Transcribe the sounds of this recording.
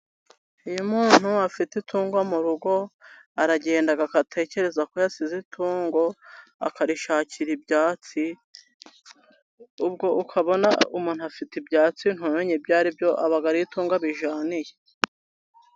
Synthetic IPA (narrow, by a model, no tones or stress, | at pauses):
ujomuːn̥huafititʰuːŋɡwamuɾuɡo̞ | aɾaɟe̞ːndaɡakatʰe̞ːce̞ɾe̞zako̞jasizitʰuːŋɡo̞a̰kaɾiʃaːciɾibɟaːt͡si | ub̚ɡo̞ʔukʰaβo̞naumuːnhuafitibjaːt͡sin̥hoːnoɲebɟaːɾibjo̞ʔaβaɡaɾituːŋɡaβiʒaːnije̞